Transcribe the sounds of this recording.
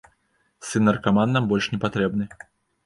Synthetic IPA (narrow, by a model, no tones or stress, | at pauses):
sɨnːɐrkamanːambɔlʲʂnʲɛpat̪ɾɛbnɨ